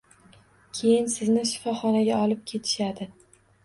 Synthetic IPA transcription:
kʲʰe̞jɪnsɪznɪʃɪ̥fɒχɒnaɡʲaɒlˠɪp̚kʲʰe̞t̪ʰɪ̥ʃad̪ɪ

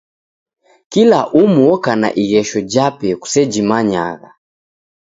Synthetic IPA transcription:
kilaʔumuɔkana̰ʔiɣɛʃɔd͡ʒapɛku̥sɛd͡ʒimaɲa̰ɣa̰

